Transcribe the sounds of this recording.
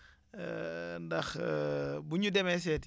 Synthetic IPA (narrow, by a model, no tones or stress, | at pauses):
ndɐx | buɲudɛmɛs̬ɛt